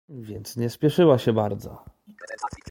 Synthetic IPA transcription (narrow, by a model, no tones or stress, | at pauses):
vʲjɛnt̪sɲɛspʲjɛʂɘwaɕɛbaɾd̪zɔ̰